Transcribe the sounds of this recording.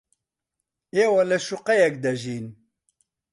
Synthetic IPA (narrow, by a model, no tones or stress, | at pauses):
iwælæʃuqæjæk̚d̪æʒin